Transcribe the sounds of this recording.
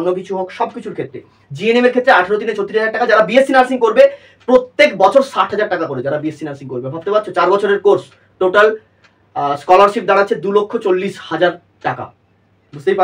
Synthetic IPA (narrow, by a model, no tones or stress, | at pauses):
nːok̬it͡ɕʰuɦokʃɔbkit͡ɕʰuɾkʰet̪ːɾe | d͡ʑienemeɾkʰet̪ɾeaʈʰaɾot̪̬inet͡ɕot̪ːiɾiɦad͡ʑaɾʈakad͡ʑaɾabiesinaɾsiŋkoɾbe | pɾot̪ːekbɔt͡ɕʰoɾsaʈɦad͡ʑaɾʈakakoɾed͡ʑaɾabiesinaɾsiŋkoɾbebʱapt̪epat̪̚ːt͡ɕʰot͡ɕaɾbɔt͡ɕʰoɾeɾkoɾs | ʈoʈal | skɔlaɾʃip̚d̪aɽ̃atːɕʰed̪ulokʰːot͡ɕolːiʃhad͡ʑaɾ | ʈaka̰ | bust̪ejpa